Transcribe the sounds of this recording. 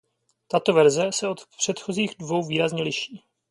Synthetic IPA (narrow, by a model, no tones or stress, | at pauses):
t̪at̪o̞vɛɾzɛsɛot̪pr̝̥ɛt̪xo̞ziːɣdvo̞wviːɾazɲɛlɪʃiː